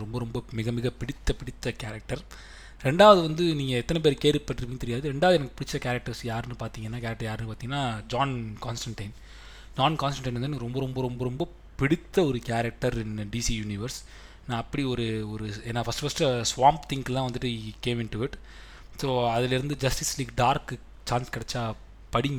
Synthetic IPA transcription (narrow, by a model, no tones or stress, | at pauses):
ɾɔmbɐɾɔmbɐmɪɣɐmɪɣɐpɪɽɪt̪ːɐpɪɽɪt̪ːɐkaːɾɐk̚ʈɐɾ | ɾɛɳɖaːʋɐðɯʋɐnd̪ɯniːŋɡɐɛt̪ːɐnɛp̬eːɾkeːɾpːɐʈːɪɾɯkːpːiːŋɡɐt̪ɛɾɪjaːðɯɾɛɳɖaːʋɐðɯɛnɐkːɐpɪɽɪt͡ʃːɾɐkaːɾɐk̚ʈɐɾsjaːɾnːɯpaːɾt̪iːŋɡɐnːaːkaːɾɐk̚ʈɐɾjaːɾnːɯpaːɾiːŋɡɐnːaːd͡ʒaːnkaːnsʈɐɳʈɐɪn | d͡ʒaːnkaːnsʈɐɳʈɐɪnɐndɯnaːɡɐɾɔmbɐɾɔmbɐɾɔmbɐɾɔmbɐ | pɪɽɪt̪ːɐɔɾɯkaːɾɐk̚ʈɐɾɪnɖiːsijuːnɪʋɐɾs | nãːɐpːɐɽiɔɾɯɔɾɯeːnːaːfɐsʈɯfɐsʈsʋaːmpt̪ʰɪŋɡt̪ãːʋɐnd̪ɯʈːɯkeːmɪnʈʊɪʈ | soːɐðɪlɪɾɯnd̪ɯd͡ʒɐsʈɪsliːkɖaːɾkː | t͡ʃaːnskɪɽɛt͡ʃːaː | pɐɽɪŋɡɐ